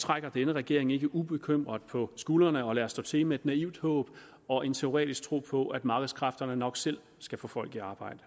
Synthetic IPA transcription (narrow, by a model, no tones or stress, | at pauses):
t͡sʰʁaɡ̥ɐd̥enəʁɛɡ̥e̝ɐ̰e̝ŋe̝ɡ̥əʔub̥e̝kʰøm̰ʁɐðˠpʰɒ̽sɡ̥uːlɐnəɒ̽læːɐsd̥ɔ̰̽ːt͡sʰe̝lmee̝d̥næiʊ̰d̥hɔ̰̽ːb̥ | ɒ̽ʔe̝nt͡sʰe̝o̝ʁɛ̰ːd̥isɡ̥̚t͡sʰʁo̝̰ːpʰɒ̽ʔæd̥mɑ̈ːɡ̥əðˠskʰʁɑfd̥ɐnənɒ̽ɡ̥sel̰ | sɡ̥æfɔ̰ːfɒ̽l̰ɡ̥iɑ̈ːb̥ɑ̈ɪ̰d̥ə